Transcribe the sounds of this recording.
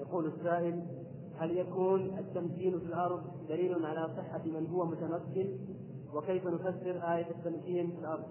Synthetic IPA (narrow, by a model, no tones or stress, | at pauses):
jaquːlasːaːʔɪl | haljakuːnʔat̪ːamkiːnfilʔɑɾˤd̪ˤd̪aliːlanʕalasˤɨħːafimɪnɦʊwːamʊt̪amakːɪn | wɪkejfanʊfasːɪɾʔaːjat̪at̪ːamkiːnfilʔɑɾˤd̪ˤ